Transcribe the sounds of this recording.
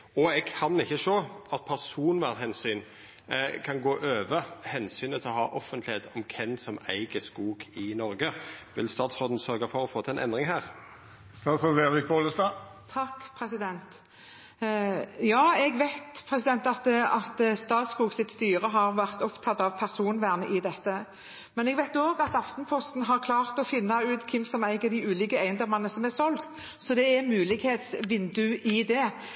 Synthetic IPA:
ɔɛɡkʰɑnɪçːəʂoːɑt̪̚pʰæʁsuːnʋæːʁt̪hɛnsyːn | kʰɑnɡoːʔøːʋəhɛnsyːnət̪ʰɪlɔhɑːʔɔfənt̪lɪheːt̪ɔmkʰɛnsɔmæ̰ɪɡəskuːɡɪnɔʁɡəʋɪlst̪ɑːt̪sʁoːd̪n̩sœʁɡɑfɔʁɔfoːt̪ʰɛnɛ̰nd̪ʁɪŋɦæːʁ | st̪ɑːt̪sʁɔeːʁɪk̚boːləst̪ɑː | t̪ʰɑkːpʰɾɛsɪd̪ɛnt̪ | jɑːɛɡʋæɪt̪pʰʁɛsɪd̪ɛnt̪ɑt̪ɑt̪st̪ɑːt̪skuːɡsɪt̪st̪yːɾəɦɑʁʋæʁt̪ɔpt̪ʰɑt̪ːɑʋpʰæʁsuːnʋæːʁnəʔɪd̪ɛt̪ːə | mɛnɛɡʋæɪt̪oːɡɑt̪ɑft̪npʰɔst̪n̩ɦɑʁkʰlɑːʁt̪ɔfɪnːɑʉːt̪kʰɪmːsɔmæɪɡɑd̪ɪʉːliːkəæɪənd̪ɔmɑnəsɔmɛsɔlɡt̪ | sɔd̪ɛæmʉːlɪɡheːt̪sʋɪnd̪ʉʔɪd̪ɛ

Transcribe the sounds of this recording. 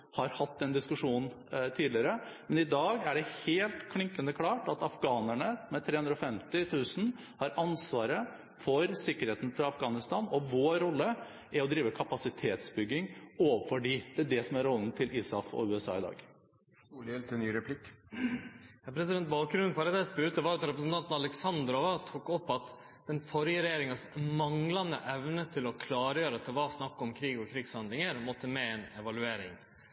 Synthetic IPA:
hɑɾhɑt̪ːɛnd̪ɪskʉʂuːn | t̪ʰiːd̪lɪəɾəmɛnɪd̪ɑːɡæɖɛheːlt̪kʰlɪŋkənd̪əkʰlɑːʈɑt̪ɑfɡɑːnæɳəmɛt̪ʰɾeːhʉnd̪ɾɔfɛmt̪ɪt̪ʰʉːsn̩ | hɑɾʔɑnsʋɑːɾə | fɔɾsɪkːəɾheːt̪nfɾɑɑfɡɑːnɪst̪ɑːnɔʋoːɾɔlːə | ʔæɾɔd̪ɾiːʋəkʰɑpɑsɪt̪ʰeːt̪sbʏɡːɪŋoːʋəfɔɖiːd̪̥ɛæɖɛsɔmæɾɔln̩t̪ʰɪlʔisɑfɔ̰ʉːɛsɑ̰ːɪd̪ɑ̰ːɡ | uljɛlt̪ɛnyːɾɛpʰlɪkː | jɑpʰɾɛsɪd̪ɛnt̪̚bɑːkɾʉnpʰɑɾəd̪ɛspʉɾt̪əʋɑːɾɑt̪ɾɛpɾəsn̩t̪ɑnt̪n̩ɑlɛksɑnd̪ɾɔʋɑt̪ʰuːkɔpːɑt̪ | d̪̥ɛnfɔɾjəɾɛjeːɾɪŋɑsmɑŋlɑnə̰ʔɛʋnət̪ʰɪlɔkʰlɑːɾəjøːɾɑt̪̚d̪ɛʋɑsnɑkːɔmkʰɾiːɡɔkʰɾɪɡshɑnd̪lɪŋəɾmɔt̪ːəmeːɛnɛʋɑlʉeːɾɪ̰ŋ

